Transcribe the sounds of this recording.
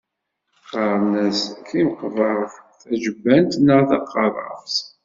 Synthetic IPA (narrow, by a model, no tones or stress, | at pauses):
qːɑɾˤnæskʰːimqːəvəʁfθæʒəbːænt̪nəʁθɑqːɑɾˤə̰fs